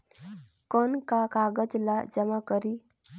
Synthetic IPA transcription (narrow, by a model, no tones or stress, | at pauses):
kɔnkakaɡəd͡ʒlad͡ʒəmakəɾi